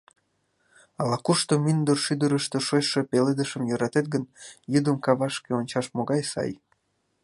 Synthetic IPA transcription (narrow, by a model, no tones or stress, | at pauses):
ɑlɑkuʃt̪omynd̪ərʃyd̪əɾəʃt̪oʃojʃe̽peled̪əʃəmjøɾɑt̪et̪̚ɡənjud̪əmkɑβɑʃkeonʲt͡ɕɑʃmoɣɑjsɑ̰j